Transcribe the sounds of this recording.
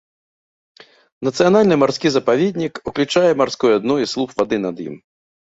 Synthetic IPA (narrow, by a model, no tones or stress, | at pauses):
nɐt̪sɨjanalʲnɨmarsʲkʲizɐpavʲed̪ʲnʲikuklʲut͡ʂajɛmarsʲkujuad̪nuislˠupvad̪ɨnɐd̪jḭm